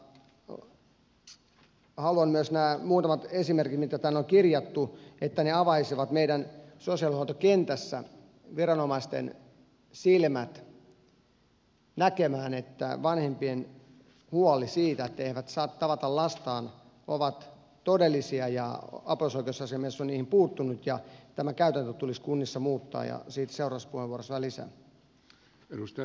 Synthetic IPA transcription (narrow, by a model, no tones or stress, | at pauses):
hɑluɑnmyøsnæːmuːt̪ɑmɑt̪esimerkit̪mit̪kæt̪æːnoŋkirjɑt̪ːuet̪ːæneɑʋɑisiʋɑt̪meiɾænsosiɑlihuot̪okent̪æsːæ̰ | ʋirɑnomɑist̪ḛn | silmæt̪ | nækemæːnet̪ːæ̰ʋɑnhempien | huɑlisiːt̪æet̪ːæeehiʋæt̪sɑːt̪t̪ɑʋɑt̪ɑllɑst̪ɑːn | ʔoʋɑt̪ | t̪odelːisiɑjɑ̰ɑposoikeusɑsiɑmesːonniːhimpuːt̪ːunut̪jɑt̪æmækæyt̪ænt̪øt̪uliskunːisːɑmuːt̪ːɑ̰ːjɑ̰siːt̪seurɑspuheʋuorosʋɑlisæ̰ | eust̪